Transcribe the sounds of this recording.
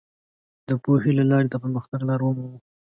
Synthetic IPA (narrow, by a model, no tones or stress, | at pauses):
d̪əpoɦilalɑɾet̪apəɾməxt̪aɡlɑɾwəmawu